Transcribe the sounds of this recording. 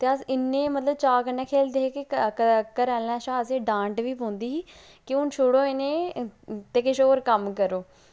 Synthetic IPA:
t̪eːəsɪnːẽːmət̪ləb̚t͡ʃaːkənɛːkʰeːld̪eːɦeːkɪəkəɾɛːlnɛ̃ːʃãːəsẽːɖãːɳʈʋiːpõːnd̪iːɦiː | kɪʊnt͡ʃʰʊɽoːenẽːt̪eːkɪʃoːɾkəmkəɾoː

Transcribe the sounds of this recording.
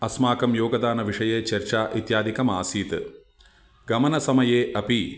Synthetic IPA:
ɐsmaːkɐmjoːɡɐd̪aːnɐʋiʂɐjeːt͡ʃɐɾt͡ʃaːʔit̪jaːd̪ʱikɐmaːsiːt̪ɨ | ɡɐmɐnɐsɐmɐjeːʔɐpi

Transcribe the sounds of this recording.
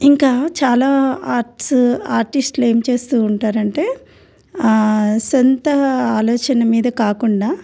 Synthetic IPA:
iŋkaːt͡ʃaːlaːaːɾʈsaːɾʈisʈle̞ːmt͡ʃe̞ːst̪uːɳʈaːɾɐɳʈe̞ː | sɔnt̪ɐaːlɔːt͡ʃɐnɐmiːd̪ɐkaːkuɳɖaː

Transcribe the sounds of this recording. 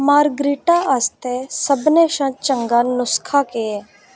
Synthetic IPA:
maːɾɡɾiːʈaːʔəst̪eːsəbneːʃãːt͡ʃəŋɡaːnʊskʰaːkeɛː

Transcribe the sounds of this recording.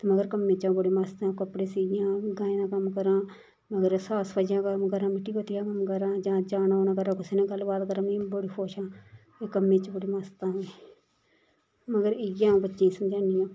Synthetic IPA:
t̪eːməɡəɾkəmːẽːt͡ʃãːbəɽiːmaːst̪ãːkəpɽeːsijãːɡãːẽːnaːkəmkəɾãː | məɡəɾsaːspəd͡ʒjãːkəmkəɾãːmɪʈːiːbət̪ɪjãːkəmkəɾãːd͡ʒãːd͡ʒaːnaoːnãːkəɾãːkʊseːnãːɡəlbaːt̪kəɾãːmĩːboɽiːpʰoːʃãː | eːkəmːẽːt͡ʃːbəɽiːmaːst̪ãːe | məɡəɾɪjãːbətːʃẽːsəmd͡ʒaːnijãː

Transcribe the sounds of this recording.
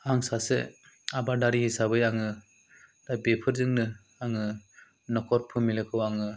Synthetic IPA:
aŋsasḛ | abadaɾihisabɯjaŋɯ | d̥abepʰɯɾzɯŋnɯ | aŋɯ | nɔkʰɔɾ̚pʰɯmilɯkʰɯwaŋɯ

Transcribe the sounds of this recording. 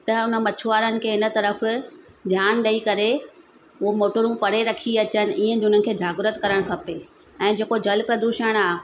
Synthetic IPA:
t̪ɐʊnəmɐt͡ɕʰʊaːɾənɪ̆kʰeːɪnə̆t̪ɐɾəf | d̪ʱjaːnɗɐikɐɾe | ʊomoːʈəɾũpɐɽeɾɐkʰiɐt͡ɕənɪ̆ʔiːə̃d̪ʊn̤ənɪ̆kʰeːd͡ʑʱaːɡɾət̪kɐɾəɽ̃kʰɐpe | ɛ̃ːd͡ʑeːkod͡ʑɐlpɾɐd̪uːʃəɽ̃aːɦ

